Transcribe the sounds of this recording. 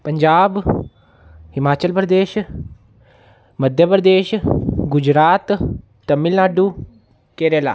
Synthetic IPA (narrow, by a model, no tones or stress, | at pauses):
pəɲd͡ʒaːb | himaːt͡ʃəlpɾəd̪eːʃ | məd̪ʱjəpɾəd̪eːʃɡʊd͡ʒɾaːt̪ | t̪ɐmːilnaːɖu | keːɾela̰ː